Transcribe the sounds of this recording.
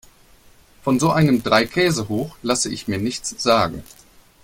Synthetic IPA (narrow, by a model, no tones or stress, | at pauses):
fɔnzoːʔaɪnəmdʁaɪkʰɛːzəɦoːxlasəɪ̰çmiːɐnɪçt͡sz̥aːɡŋ̩